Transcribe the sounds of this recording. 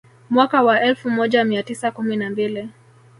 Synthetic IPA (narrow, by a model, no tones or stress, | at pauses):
mwakawaʔɛlfumɔʄamiatisakuminambili